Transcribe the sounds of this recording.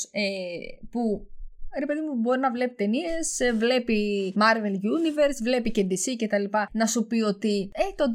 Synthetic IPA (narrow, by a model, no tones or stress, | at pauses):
epuɾe̞pe̞ðimubo̞ɾinɐvle̞pit̪e̞nie̞svle̞pimɐɾve̞lʝunive̞ɾsvle̞picend̪isice̞t̪ɐlipɐnɐsupio̞t̪iet̪o̞nd̪